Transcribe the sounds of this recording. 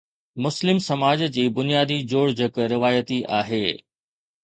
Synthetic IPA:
mʊslɪmsɐmaːd͡ʑd͡ʑiːbʊnijaːd̪id͡ʑoːɽd͡ʑɐkɾɪʋaːjət̪iʔaːɦeː

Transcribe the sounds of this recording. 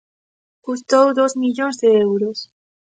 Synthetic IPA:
kust̪owðozmiʎõnzðeewɾos

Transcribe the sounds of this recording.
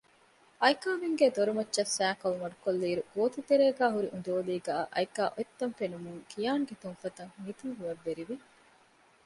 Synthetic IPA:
ɐjkaːʋiŋɡeːd̪oɾumɐtːʃɐsːæːkɐlumɐɖukolːiːɾuɡoːt̪ut̪eɾeːɡæːɦuɾiʔund̪oːliːɡæːʔɐ̰jkaːʔoet̪ːɐnfenumuŋkʰijaːŋɡet̪uŋfɐt̪ɐŋmit̪uŋɦuʋɐʋːeɾiʋi

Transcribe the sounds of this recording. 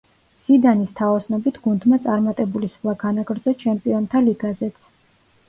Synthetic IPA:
sid̪anist̪ʰaɔsnɔbit̪ʰɡ̥und̪mat̪sʼaɾmat̪ʼɛbulisχlˠaɡanaɡɾd̪zɔt͡ʃʰɛmpʼiɔnt̪ʰaliɡazɛt̪sʰ

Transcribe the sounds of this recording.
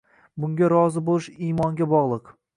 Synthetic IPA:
bʊŋɡʲaɾɒzɪbolˠɪʃimɒŋɡʲabɒʁlˠɨq

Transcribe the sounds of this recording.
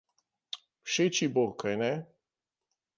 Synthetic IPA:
wʃet͡ʃibokajnɛ

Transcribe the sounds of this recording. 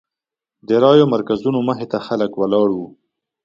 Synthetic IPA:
d̪əɾɑjomaɾkazunoməɦet̪axaləkwalɑɽwu

